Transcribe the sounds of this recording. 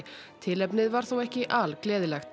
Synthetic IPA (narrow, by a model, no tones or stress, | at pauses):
t̪ʰɪlɛpnɪðvaɾ̥θowɛhcɪʔaːlklɛːðɪlɛxt̪